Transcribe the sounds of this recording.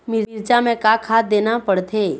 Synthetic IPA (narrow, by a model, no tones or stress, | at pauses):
mɪɾɾt͡ʃamẽkakʰad̪enapəɽt̪ʰe